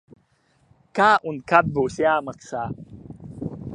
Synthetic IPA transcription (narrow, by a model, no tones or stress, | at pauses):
kaʔunkat̪̚boseaməksa